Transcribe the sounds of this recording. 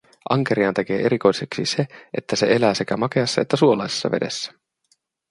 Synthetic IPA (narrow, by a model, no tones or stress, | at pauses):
ʔɑŋk̟e̞ɾiɑnt̪e̞k̟e̞ːʔeɾiko̞jse̞ksḭse̞ʔe̞t̪ːæse̞e̞læːse̞kæmɑke̞ɑsːɑet̪ːæsuolɑjse̥sːɑ̰ʋe̞̰de̞sːæ̥